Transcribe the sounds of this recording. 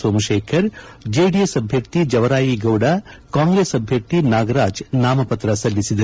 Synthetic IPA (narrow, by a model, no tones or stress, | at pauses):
soːmɐʃeːkʰɐɾd͡ʒeːɖijesɐbʱjɐɾt̪id͡ʒɐʋɐɾaːjiɡɐwɽɐkaːŋɡɾeːsɐbʱjɐɾt̪inaːɡɐɾaːd͡ʒnaːmɐpɐt̪ɾɐsɐlːisid̪ɐ